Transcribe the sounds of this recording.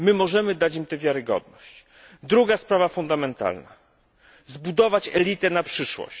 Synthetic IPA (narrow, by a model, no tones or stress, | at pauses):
mɘmɔʐɛmɘd̪at͡ɕimt̪ɛvʲjaɾɘɡɔ̰d̪nɔɕt͡ɕ | d̪ɾuɡaspɾavafund̪amɛnt̪a̰lna̰ | zbud̪ɔvat͡ɕɛlʲit̪ɛnapʂɘʂwɔ̰ɕ